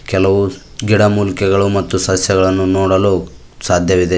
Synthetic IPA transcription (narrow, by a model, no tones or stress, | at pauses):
kɛlɐʋu | ɡiɽɐmuːlikɛɡɐɭumɐt̪ːusɐsjɛɡɐɭɐnːunoːɽɐluː | saːd̪ʱjɐʋid̪e